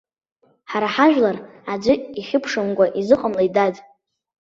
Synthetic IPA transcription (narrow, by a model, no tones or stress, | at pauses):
ħaɾaħaʒᶣlarad͡ʒʷɨiχʲɪpʰʂɨmkʷʼaʔizɨqʼamlaidad